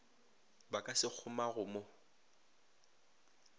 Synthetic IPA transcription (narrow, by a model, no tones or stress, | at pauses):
bakʼasɪk͡xʰʊmaɣʊmo